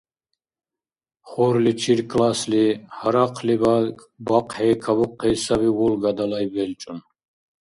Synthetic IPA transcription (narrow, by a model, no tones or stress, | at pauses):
χɔɾlit͡ʃʰiɾkʰʼlaslihaɾaqʰliba | baqhɛkʰabuqʰːɛsaβiwɔlɡad̪alajbɛlt͡ʃʼun